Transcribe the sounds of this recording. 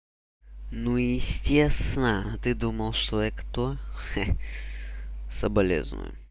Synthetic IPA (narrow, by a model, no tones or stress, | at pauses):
nujɪsʲtʲest̪nət̪ɨd̪uməlˠʂt̪oɛkt̪oxɛ | səbɐlʲḛznʊ̰jʊ̰